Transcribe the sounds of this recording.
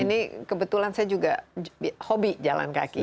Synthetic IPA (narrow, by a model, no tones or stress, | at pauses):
inikəbət̪ulansajad͡ʒuɡabhobid͡ʒala̰nka̰ki